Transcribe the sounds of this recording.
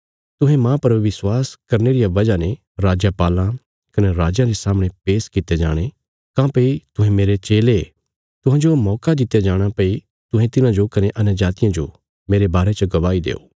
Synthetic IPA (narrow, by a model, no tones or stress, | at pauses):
t̪ʊɦẽmãːpɐɾʋɪswaːskɐɾneɾijaʋɐd͡ʒane | ɾaːd͡ʒjəpaːlã | kɐneɾaːd͡ʒjãɾesaːmɽ̃epeːskɪt̪ed͡ʒa̰ːɽ̃e | kãːpeit̪ʊ̃ɦẽmeːɾet͡ʃeːle | t̪ʊɦãːd͡ʒomɔːkad̪ɪt̪ːjad͡ʒaːɽ̃ãpei | t̪ʊ̃ɦẽt̪ɪnãd͡ʒokɐneʔɐnəd͡ʒaːt̪ijãd͡ʒo̰ | meːɾebaːɾet͡ʃəɡɐʋaːid̪ḛːo̰ː